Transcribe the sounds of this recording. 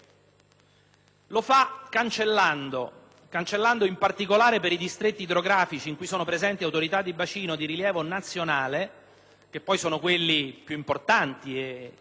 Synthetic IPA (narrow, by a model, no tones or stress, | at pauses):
lofakːant͡ʃelːand̪o | kant͡ʃelːand̪oimpart̪ikolaːɾepeɾid̪ist̪ɾet̪ːiːd̪ɾoɡɾaːfit͡ʃiːŋkujsoːnopɾezɛnt̪iawt̪oɾit̪ad̪ːibat͡ʃiːnod̪iɾiljɛːvonat̪sːjonaːle | k̟epːɔjsoːnokwelːipjuimport̪ant̪ie